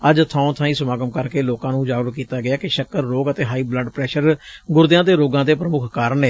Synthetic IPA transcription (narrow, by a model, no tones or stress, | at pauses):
əd͡ʒt̪ʰãːõt̪ʰãːĩːsəmaːɡəmkəɾkeːloːkãːnũːd͡ʒaːɡʋəkkiːt̪aːɡɪaːkɪʃəkːəɾːoːɡət̪eːɦaːiːbləɖpɾɛːʃəɾɡʊɾd̪ɪjãːd̪eːɾoːɡãːd̪eːpɾəmʊkʰkaːɾəneː